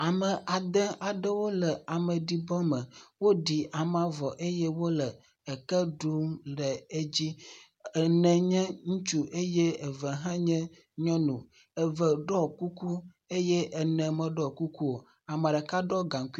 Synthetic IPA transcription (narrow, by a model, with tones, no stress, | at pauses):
a˨mə˨ʔa˨d̪ɛ̃˦ʔa˨ɖə˦wo˦lə˨a˨mə̃˨ɖi˨bɔ˦mə˨wo˦ɖi˨ʔa˨m˦ã˨vɔ˨ʔe˦je˦wo˦lə˨ | ɛ˨kə˦ɖu˦mɖɛ˨e˦d͡ʑi˦ | ɛ˨nɛ̃˨ɲɛ̃˦ŋũ˦t͡ʃu˦ʔe˦je˦e˨və˨ɦã˦ɲɛ̃˦ | ɲɔ̃˦nũ˨ | ɛ˨və˨ɖɔ˦ku˦ku˦ | e˦jɛ˦ʔɛ˨nɛ̃˨mə̃˨ɖɔ˦ku˦ku˦wo˨ | a˨mã˨ɖə˨ka˦ɖɔ˦ɡã˨ŋ˨k